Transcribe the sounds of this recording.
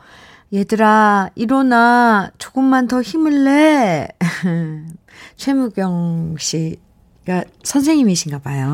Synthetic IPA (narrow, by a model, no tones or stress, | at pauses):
jedɯɾaiɾonat͡ɕoɡɯmːantʌçimɯɭːe | t͡ɕʰwe̞muɡjʌŋɕ͈i | ɡasʰʌns̬ʰe̞ŋɲimiɕʰinɡabajo